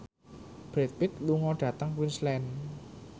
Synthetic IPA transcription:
b̥ɾet̪̚pit̪̚luŋɔɖ̥ä̤t̪aŋwinslɛn

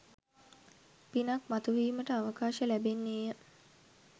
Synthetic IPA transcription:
pinakmat̪uʋiːməʈəaʋəkaːʃəlæbenːiːjə

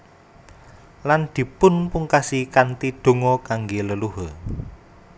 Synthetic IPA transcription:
land̪̥i̤pʊnpuŋkasikant̪id̪̥o̤ŋɔkaŋɡeləluɦɔ

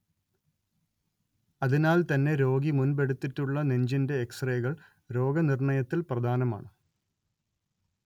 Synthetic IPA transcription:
ɐðinaːlt̪ɐnːe̞ɾo̞ːɡimunbeɽut̪ːitːuɭːɐneɲd͡ʑinde̞ːksreːɣɐɭ | ɾo̞ːɡɐnirɳɐjɐt̪ːilprɐd̪ʱaːnɐma̰ːɳɨ

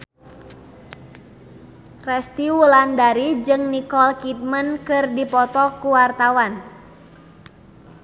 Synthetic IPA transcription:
rɛst̪iwulandaɾid͡ʒɨŋnikɔlkit̪̚mənkɨrdipɔt̪ɔkuwart̪awan

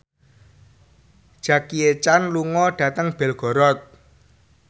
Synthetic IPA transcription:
d̥ʒ̥ä̤kiet͡ʃanluŋɔɖ̥ä̤t̪əŋb̥ɛ̤lɡ̥ɔ̤ɾɔt̪̚

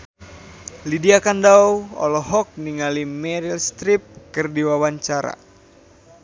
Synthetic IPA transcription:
lidiakandawɔ̰lɔɦɔk̚niŋalimɛɾilst̪ɾip̚kɨrdiwawaɲt͡ʃaɾa̰

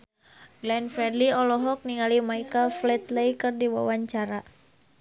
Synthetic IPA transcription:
ɡlɛnfɾɛdliɔlɔɦɔk̚niŋalimaikəlflɛt̪lɛjkɨrdiwa̰waɲt͡ʃaɾa

